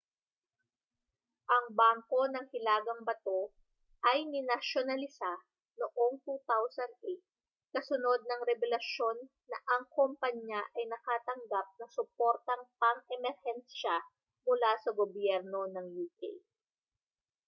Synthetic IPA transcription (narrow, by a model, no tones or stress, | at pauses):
ʔɐŋbaŋko̞nɐŋhɪlaːɡɐŋbɐt̪o̞ | ʔɐjnɪnɐʃonɐlɪsa | noʔo̞ŋt̪uːt̪awsɐnd̪̚ʔet̪̚ | kɐsʊno̞d̪̚nɐŋɾɛbɛlɐʃjo̞nːɐʔɐŋkompɐɲjaʔɐjnɐkaːt̪ɐŋɡap̚nɐsʊpoɾt̪ɐŋpɐŋɛmɛɾhɛnʃa | mʊlasɐɡobjɛɾno̞nɐŋjuːkḛj